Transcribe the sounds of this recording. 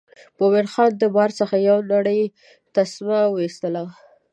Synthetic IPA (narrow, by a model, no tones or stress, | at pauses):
powɪɽxɑnd̪əbɑɾsəxajawnaɽəj | t̪asmawəist̪əla